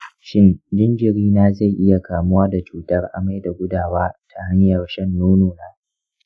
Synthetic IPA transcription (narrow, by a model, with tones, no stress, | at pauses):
ʃɪ˦nd͡ʒɪ˦nd͡ʒɪ˨ɾiː˦naː˦za˦˨jʔɪ˦ja˨kʰaː˨mʊ˦waː˦da˨t͡ʃuː˦˨tɐ˦rʔa̰˨ma˦jda˨ɡʷʊ˦daː˨waː˦tʰa˨ha˦ɲjɐ˨rʃɛ˦nːoː˦noː˨naː˦